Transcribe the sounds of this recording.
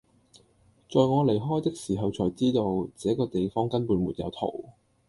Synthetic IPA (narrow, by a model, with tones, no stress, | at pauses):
t͡sɔː˨jŋɔː˨˧le˨˩jɦɔː˥jt̪ɪ˥k̚siː˨˩ɦɐ˨wt͡sʰɔː˨˩jt͡siː˥t̪o˧wt͡sɛː˨˥kɔː˧t̪e˨jfɔː˥ŋkɐ˥npuː˨˧nmuː˨˩t̚jɐ̰˨˧wt̪ʰo̰˨˩w